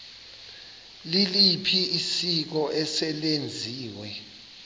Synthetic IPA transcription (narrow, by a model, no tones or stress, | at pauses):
lilipʰiisik̬ɔʔɛsɛɓend͡zʱiːwɛ